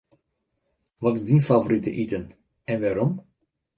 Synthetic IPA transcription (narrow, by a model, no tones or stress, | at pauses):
ʋɔtɪzdinfavoɾitə̰ʔitən | ɛnʋaːɾɔm